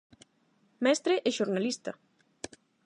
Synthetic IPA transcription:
mɛst̪ɾeʔeʃoɾnalist̪a

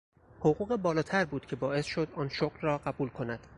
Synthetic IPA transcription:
hoɣuːɣebɒːlɒːt̪ʰæɾbuːd̪cʰe̞bɒːʔe̞sʃo̞d̪ɒːnʃoɡlrɒːɢæbuːlkʰo̞næd̪̥

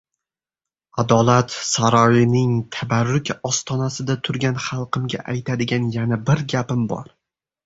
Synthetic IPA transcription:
ad̪ɒlˠat̪saɾɒjɪnɪŋt̪ʰabaɾːʊkʲɒst̪ʰɒnasɪd̪at̪ʰʊɾɡʲanχɑlˠqʰɨmɡʲa̰ʔajt̪ʰad̪ɪɡʲanjanabɪɾɡʲapɪmbɒ̰ɾ

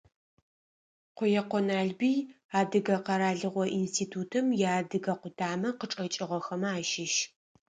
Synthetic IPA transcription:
qʷʊjɛqʷɔnaːɮbij | aːdɨɣɐqɑɾaːɮɨʁʷɔʔinstʰiːtʰuːtʰɨmjaːdɨɣɐqʷʊdʰaːmɐqəʈ͡ʂʼɐt͡ʃʼɪʁɐxɐmaːʃɪʃ

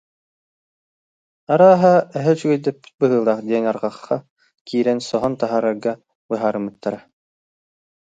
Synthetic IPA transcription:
aɾaːɦaɛɦɛt͡ɕyɡɛjd̪ɛpbɯɦɯːlˠaːχd̪ʲiɛnaɾʁɑχːa | kiːɾɛnsɔɦɔnt̪aɦaːɾaɾɡa | bɯɦaːɾɯmɯt̪ːaɾa

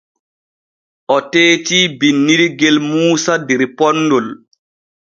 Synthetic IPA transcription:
ʔɔteːtiːbinːiɾiɡɛlmuːsadɛɾpɔnːdɔl

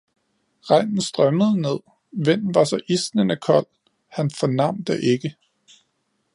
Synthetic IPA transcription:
ʁɑ̈ɪ̰nn̩sd̥ʁɶməð̞̩ˠəne̝ð̰ˠ | ʋen̰nʋɑ̈sɒ̽ʔisnənəkʰɒ̽l̰ | hænfɒnɑ̈m̰d̥əʔe̝ɡ̥ə

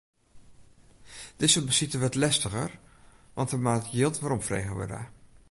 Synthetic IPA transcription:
d̥ɪsəbəsitəʋɑtlɛstəχə̰rʋɑntəmaːtjɪlˠtʋaːɾɔmfrḛjχəʋə̰da̰ː

